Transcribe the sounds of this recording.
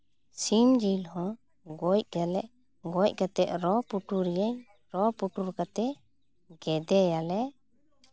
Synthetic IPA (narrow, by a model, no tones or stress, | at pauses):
simd͡ʒilhɔ̃ | ɡɔc̚kalɛʔ | ɡɔc̚ˀkat̪ɛʔɾɔpuʈuɾɛjɛɲ | ɾɔpuʈuɾkat̪ɛ | ɡɛd̪ɛjalɛ